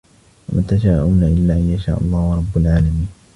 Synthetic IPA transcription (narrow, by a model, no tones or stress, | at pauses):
wamʔat̪aʃaːʔʊːnaʔɪlːaːʔanjaʃa̰ːʔɑ̰lˤːɑːhʊɾˤɑbːʊlʕaːlamiːn